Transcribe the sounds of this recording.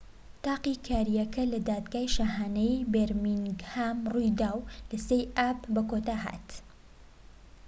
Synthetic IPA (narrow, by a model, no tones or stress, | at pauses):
t̪aːqikʰaːɾijɐkɐlɐd̪aːd̪ɡaːjʃaɦaːnɛjbeɾmiŋɡhaːmrujd̪aːwlɐsejaːpbɐkot̪aːɦa̰ːt̪